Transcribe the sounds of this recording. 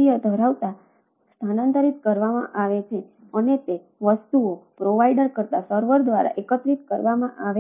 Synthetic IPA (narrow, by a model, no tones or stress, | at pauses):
ijəd̪ʱəɾaʋt̪a | st̪ʰanãnt̪əɾit̪̚kəɾʋamã̰ʔaʋet͡ʃʰe | ənet̪e | ʋəst̪uopɾoʋaiɖəɾkəɾt̪asəɾʋəɾd̪ʋaɾa̰ʔekət̪ɾit̪̚kəɾʋamãʔaʋe